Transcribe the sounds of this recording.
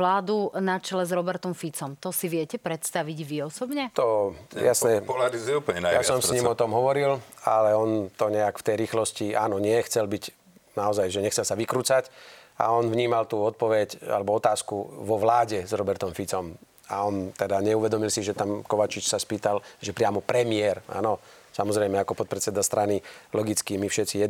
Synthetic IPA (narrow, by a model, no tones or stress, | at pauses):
laːd̪unat͡ʃɛlɛzɾɔbɛɾt̪ɔmfit͡sɔmt̪ɔsiʋɪɛcɛpɾɛt̪st̪aʋiɟʋiɔsɔbɲɛt̪ɔjasnɛplaɾizuɛuːpɲjasɔmsɲimɔt̪ɔmɦɔʋɔɾila̰lɛɔnt̪ɔɲɛakft̪ɛjɾiːxlɔsciʔaːnɔɲɪɛxt͡sɛlbiɟ | naɔzajʒɛɲɛxt͡sɛlsaʋikɾuːt͡saca̰ɔnʋɲiːmalt̪uːɔt̪̚pɔʋɛca̰lɛbɔɔt̪aːskuʋɔʋlaːɟɛzɾɔbɛɾt̪ɔmfit͡sɔm | aɔnt̪ɛd̪aɲɛuʋɛd̪ɔmilsiʒɛt̪amkɔʋat͡ʃit͡ʃsaspiːt̪alʒɛpɾɪamɔpɾɛmiɛɾa̰ːnɔ | samɔzɾɛjmɛakɔpɔt̪̚pɾɛt͡sɛd̪ast̪ɾanilɔɡit͡skimifʃɛt̪t͡sijɛ